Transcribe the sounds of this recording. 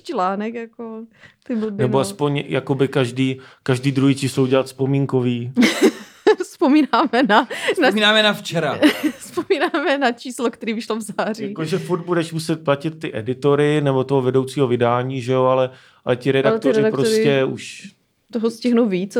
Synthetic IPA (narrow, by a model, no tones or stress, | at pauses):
t͡ʃlaːnɛkjakot̪ɪbnɛboaspo̞ɲjako̞bɪkaʒdiːkaʒdiːd̪ɾujɪt͡ʃɪsowɟɛlat̪spomiːŋko̞viː | spomiːnaːmɛnanaminaːmɛnaft͡ʃɛɾaspomiːnaːmɛnat͡ʃiːslokt̪ɛɾiːvɪʃlovzaːrijakoʒɛfuɾd̪̚budɛʃmusɛt̪̚placɪt̪̚ːɪʔɛdɪt̪o̞ɾɪnɛbot̪oɦovɛdowt͡siːɦovɪdaːɲiːʒɛoalɛ | alɛcɪɾɛdakt̪oɾɪpɾosscɛuʃ | t̪oɦoscɪɦnuwviːt͡s